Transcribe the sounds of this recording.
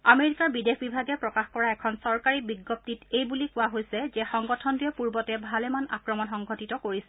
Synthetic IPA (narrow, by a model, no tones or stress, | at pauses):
ameɹikaɹbidekʰbibʱaɡɛpɹɔkaxkɔɹaɛkʰɔnsɔɹkaɹibiɡːɔp̚titejbulikʊwaɦojsɛzɛxɔŋɡɔtʰɔndiɛpuɹbɔtɛbʱalɛmana̰kɹɔmɔnxɔŋɡʱɔtitɔkoɹisɛ